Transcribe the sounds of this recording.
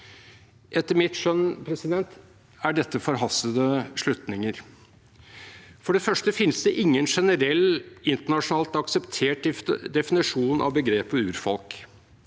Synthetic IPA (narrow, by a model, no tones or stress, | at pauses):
ʔɛt̪ːəɾmɪt̪ʂœnpʰɾɛsɪd̪ɛnt̪ | æɖɛt̪ːəfɔɾɦɑsəd̪əʂɭʉt̪nɪŋəɾ | fɔɖɛfœʂʈəfɪnːsd̪ɛʔɪŋːənʂɛnəɾɛlːɪnt̪əɳɑʂʊnɑːlt̪ɑksəpt̪ʰeːʈd̪ɛfɪnɪʂuːnʔɑ̰ʋbəɡɾeːpəʉːɾfɔ̰lk